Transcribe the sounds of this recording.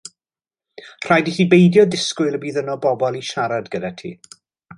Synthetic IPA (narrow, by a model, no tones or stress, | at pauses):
r̥ajdiθiːbejdjɔdɪskʊjlˠəbiːðənɔbɔbɔlˠiʃaɾadɡədatʰḭː